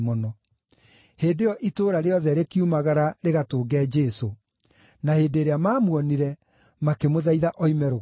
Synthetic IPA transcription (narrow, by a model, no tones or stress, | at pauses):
mɔnɔ | heːdejɔʔitoːɾaɾeɔðɛɾekiumaɣaɾaɾeɣatoːɡɛːd͡ʒɛso | naheːdeːɾeamaːmwɔniɾɛ | makemoðaiðaʔɔimɛɾo